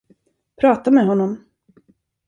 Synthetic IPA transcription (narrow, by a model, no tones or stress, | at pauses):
pʰɾɑːt̪amɛɦɔnːɔm